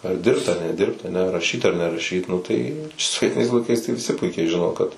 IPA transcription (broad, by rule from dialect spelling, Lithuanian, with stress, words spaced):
ɐr ˈdʲɪrpt ɐr nʲɛˈdʲɪrpt ɐˈnʲɛ rɐˈʃʲiːt ɐr nʲɛrɐˈʃʲiːt ˈnʊ tɐɪ soːʋʲiɛˈtʲɪnɐɪs lˠɐɪˈkɐɪs tɐɪ ʋʲɪˈsʲɪ ˈpʊɪkʲɛɪ ˈʒʲɪnoː kɐt